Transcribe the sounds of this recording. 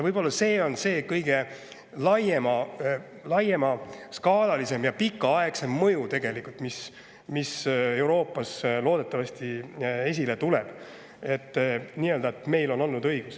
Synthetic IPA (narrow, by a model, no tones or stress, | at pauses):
vɯjbo̞lːɑse̞ːo̞nse̞ːkɤjɡ̥e̞ | lɑjemɑ | lɑjemɑskɑːlɑlise̞mjɑpikːˑɑɑe̞kse̞mːɤjut̪e̞ɡ̥e̞likult̪mis | mise̞uwɾo̞ːpːˑɑslo̞ːd̪̥e̞t̪ːˑɑvɑst̪ie̞s̬ʲile̞t̪ule̞b̥ | e̞t̪ːniːøːld̪ɑet̪me̞jlo̞no̞lnud̪ɤjɡ̥us